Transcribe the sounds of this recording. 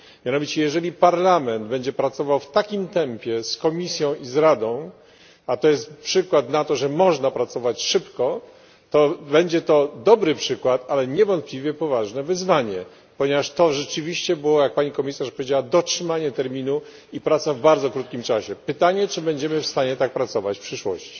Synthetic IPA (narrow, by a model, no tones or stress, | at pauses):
mʲjanɔvʲit͡ɕɛjɛʐɛlʲipaɾlamɛnd̪bɛɲd͡ʑɛpɾat̪sɔvawft̪akʲimt̪ɛmpʲjɛskɔmʲisʲjɔ̃w̃izɾad̪ɔ̃w̃ | at̪ɔjɛst̪̚pʂɘkwat̪nat̪ɔʐɛmɔʐnapɾat̪sɔvat͡ɕʂɘpkɔ | t̪ɔbɛɲd͡ʑɛt̪ɔd̪ɔbɾɘpʂɘkwat̪alɛɲɛvɔ̃nt̪̚pʲlʲivʲjɛpɔvaʐnɛvɘzvaɲɛ | pɔɲɛvaʂt̪ɔʐɛt͡ʂɘvʲiɕt͡ɕɛbɘwɔjak̚paɲikɔmʲisaʂpɔvʲed͡ʑawad̪ɔtʂɘmaɲɛt̪ɛɾmʲinu | ipɾat̪savbaɾzɔkɾut̪kʲimt͡ʂaɕɛpɘt̪aɲɛt͡ʂɘbɛɲd͡ʑɛmɘfst̪aɲɛt̪ak̚pɾat̪sɔvat͡ɕfpʂɘʂwɔ̰ɕt͡ɕi̥